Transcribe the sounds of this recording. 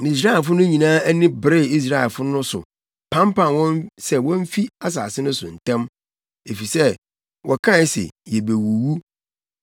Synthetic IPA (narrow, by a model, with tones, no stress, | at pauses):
nĩ˨s̬ɾa˦ɪ˨f̬ʊ˦nʊ̃˦ɲĩ˨nãː˦æ˦nɪ̃˦bɾɪ˦˨i˦s̬ɾa˦ɛ˨fʊ˦nʊ̃˦sʊ̰˨ | pʰã˦mpã˨nwɔ̃˦nsɛ˦wɔ̃˦m̩˦fi˦a˦s̬a̰ː˨sɪ˦nʊ̃˦sʊ̰˨n̩˨tʰɛ̃˦m | e˨fi˨sɛ˦ | wʔɔ˨kʰã˦sɪ̰˨jɛ˨be˨wu˨wu˦